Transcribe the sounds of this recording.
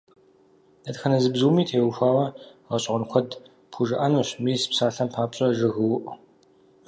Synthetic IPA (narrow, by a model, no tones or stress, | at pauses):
dɐtxɐnɐzɨbzuwmiːtʰeːwxʷaːwɐʁɐɕʼʁʊnkʷʰɔd | pʰuʒɨʔanuɕmiːsɨ̥psaːɬɐmpʰaːpɕʼɐʒɨɣɨwʔ